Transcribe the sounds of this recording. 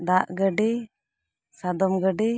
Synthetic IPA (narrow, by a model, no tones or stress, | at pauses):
d̪aʔɡəɖi | sad̪ɔmɡəɖi